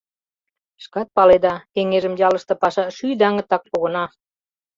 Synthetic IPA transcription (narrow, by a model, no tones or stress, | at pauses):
ʃkɑt̪̚pɑled̪ɑkeŋeʒə̆mjɑlə̆ʃt̪ɤ̆pɑʃɑʃyjd̪ɑŋə̆t̪ːɑk̚poɣə̆nɑ